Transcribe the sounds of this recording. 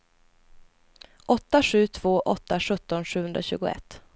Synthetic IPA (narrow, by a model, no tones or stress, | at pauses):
ʔɔt̪ːaɧʉ̟ːt̪ʰv̥oːʔɔt̪ːaʂɵt̪ːɔnʂʉ̟ːɵnd̪ɾaɕʉ̟ːɡʊɛ̰t̪ː